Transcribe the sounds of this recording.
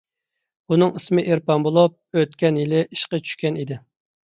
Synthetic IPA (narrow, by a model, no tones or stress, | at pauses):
unɨŋismɪʔeɾpɑmbolˠup̚øt̪kʲɛnjilɪʔiʃqɑt͡ʃʰy̥ʃkʲɛnid̪ɪ